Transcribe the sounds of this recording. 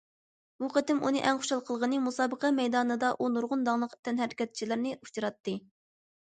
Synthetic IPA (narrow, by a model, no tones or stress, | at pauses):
buqʰət̪ɪmʔunɨʔɛŋχo̥ʃɑlˠqʰəlˠʁənɨmusɑːbəqɛmɛjd̪ɑːnɨd̪ɑʔunuɾʁʊnd̪ɑŋlˠəqt̪ʰɛnɦæɾɪkʲɛt̪̚t͡ʃʰilɪɾnɪʔu̥t͡ʃiɾɑt̪ːɨ